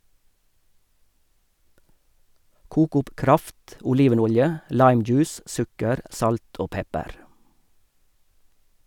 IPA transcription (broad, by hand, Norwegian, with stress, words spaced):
ˈkuːk ˈʊp ˈkɾɑft ʔʊˈliːʋəˌnʊljə ˈlɑɪmˌd͡ʒʉːs ˈsʉkəɾ ˈʔsɑlt ˈoː ˈpɛpəɾ